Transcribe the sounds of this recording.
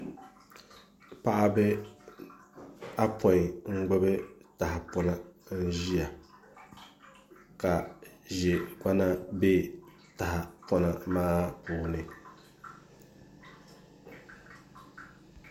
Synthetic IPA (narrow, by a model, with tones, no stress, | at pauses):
pa˦ʔa˦bɛ˦ | a˦pʰɔ˨ŋ̩˦ɡ͡bʊ˦bɨ˦ta˨ha˨pɔ˦na˦n̩˦ʒi˦ja˨ | ka˨ʒɛ˨ka˦na˦be˦˨ | ta˨ha˨pɔ˦na˨maː˦puː˨nɨ˨